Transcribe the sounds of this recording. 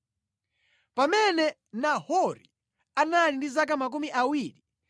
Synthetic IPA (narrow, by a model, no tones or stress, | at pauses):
pamɛnɛ | nahɔɾḭ | analindizak̬amak̬umiʔawiːɾi